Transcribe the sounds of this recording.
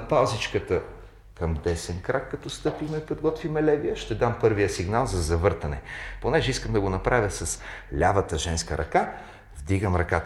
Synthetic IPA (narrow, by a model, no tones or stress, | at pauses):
palˠzit͡ʃkət̪ə | kɐmd̪ɛsɛnkɾakːɐt̪ɔst̪ɤpimɛpod̪ɡɔt̪vimɛlɛvijəʃt̪ɛd̪ampɤɾvijəsiɡnalˠzɐzɐvɤɾt̪ɐnɛ̰ponɛʒɛiskəmd̪ɐɡonɐpɾavʲəsɐslʲavət̪əʒɛnskəɾʔɐ̰ka | vd̪iɡəmɾɐkat̪